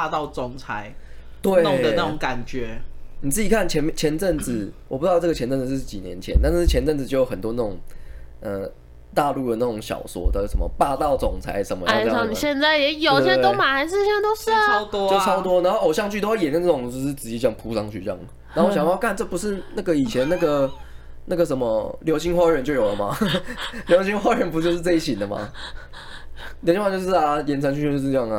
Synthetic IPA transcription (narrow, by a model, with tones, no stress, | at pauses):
a˥˧t̪ɑ˥˩ʊt͡sʊ˨˩ŋt͡sʰa˧˥˦ɪt̪we˥˩ɪn˨˦d̪ə˧˨a˥˩˨ʊ˨˦ŋka˨˩nt͡ɕɥɛ˨˧˦ni˨˩t͡sɹ̩˥˩t͡ɕi˨kʰa˥˩nt͡ɕʰjɛ˧˥nm˥t͡ɕʰjɛ˧˥nt͡sə˥˩nd͡zɹ̩˨˩wɔ˨˩pu˥˧˥ʈ͡ʂɤ˥˩ɡə˩ɛ˧˥nt͡sə˥˩nd͡z̩˨˩ʂ̩˥˩˥t͡ɕḭ˨˩njɛ˧˦nt͡ɕʰjɛ̰˦nt̪a˥˧nʂ̩˥˩t͡ɕʰjɛ˧˦nt͡sə˥˩nd͡zɹ̩˨˩t͡ɕo˥˩ʊjo˨˩xə˨˩nt̪wɔ˥na˥˩ʊ˨˩ŋə˧˩ | t̪a˥˧lu˥˩d̪ə˩na˥˩ʈ͡ʂʊ˨˩˦ŋɕjɑ̰˨˩ʊswɔ̰˨˩d̪ə˧˩sə̰˨˦nmə̰˩pa˥˧t̪ɑ˥˩ʊt͡sʊ˨˩ŋt͡sʰa̰˧˥ɪʂə˨˦nmə̰˦a˥˩ɪ˥ɑ˥˩ni˨ɕjɛ˥˧nt͡sa˥˩ɪjɛ˨˥jo˨˩˥ʊ˥˧ɛ˧˥t̪o˥ma˨˩a˧˥ɪʂ̬̩˥˧t͡ɕt̪o˥ʊʂ̩˥˩˥t̪t͡ɕjt͡sʰɑ˥ʊt̪wɔ˥na˧˥nxo˥˩ʔo˨ʊɕjɑ˥˧ŋt͡ɕʰy˥˩˥wa˥˩jɛ˨˦nə˥˧nt͡sə˥˩ʊ˨˩ŋ˨˩o˥˧ʂɻ̩˥˩t͡sɹ̩˨˩t͡ɕi˨˥t͡ɕjɑ˥˩ŋpʰu˧˥sɑ˥ŋt͡ɕʰy˥˧ʈ͡ʂjɑ̰˥˩ŋ˩na˨˥˨ɕja˨˩˦jɑ˥˧ʊkʰa˥˧nʈ͡ʂɤ˥˩pu˧˦ʂɻ̩˥˧na˥˩ɡə˨˩i˨˩t͡ɕʰjɛ˧˦na˥˩ɡə˩ | na˥˩ɡə˩ʂə˧˥nmə˧ljo˧˥ʊɕi˧˥ŋxwa˥˨ə˧˦nt͡ɕjo˥˩jo˨˩ʊd̪ə̰˩ma̰˨ | ljo˧˥ɕi˥ŋxwa˥ɻə˧˦npu˧˥t͡ɕjo˥˧ʊʂ̬ɻ̩˥˧t͡sa˥˧i˥ɕi˨˩nd̪ə˩ma̰˨˩ | jo˧˥ɕi˧˥wjo˥˧ʊʂɻ̩˥˩a˨˩jɛ˧˥nt͡sʰə˧ŋt͡ɕʰy˥˧˥o˥˧ʂ̩˥˧ʈ͡ʂjɑ˥˨ŋ˨